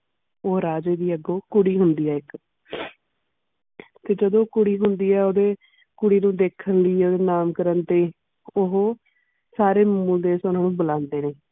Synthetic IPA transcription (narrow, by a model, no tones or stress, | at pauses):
oːɾaːd͡ʒeːd̪iːəɡːoːkʊɽiːɦʊnd̪iːɛːɪk | t̪eːd͡ʒəd̪õːkʊɽiːɦʊnd̪iːɛːoːd̪eː | kʊɽiːnũːd̪eːkʰːənliːoːd̪eːnaːmkəɾənt̪eː | ɦoː | saːɾeːmʊld̪eːsʊnãːnũːbəlãːnd̪eːneː